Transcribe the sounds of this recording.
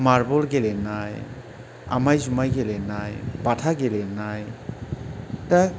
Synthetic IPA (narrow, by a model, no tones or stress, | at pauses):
maɾbolɡelenaj | a̰majzumajɡelenajpatʰaɡelenaj | ta